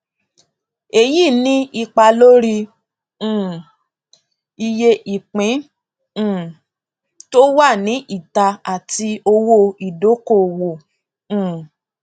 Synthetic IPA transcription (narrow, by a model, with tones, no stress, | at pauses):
e˨ji˦˨nĩ˦i˧k͡pa˧lo˦ɾĩ˧˦˨ | i˧je˧ʔi˨k͡pĩ˨˦˨ | to˦wa˦˨nĩ˨˦ʔi˦˨ta˧a˨ti˧o˧wo˦˧i˨do˨˦ko˦˨wo˨ | ũ˨